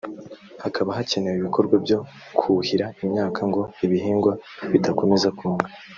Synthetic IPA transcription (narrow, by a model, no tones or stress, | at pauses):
hakʰaβaɦace̞ne̞wiβikʰo̞ɾɡwabɟo̞ | kʰuhiɾaimɲaːkʰaŋɡo̞iβiɦiːŋɡwaβidakome̞zakʰuːŋɡa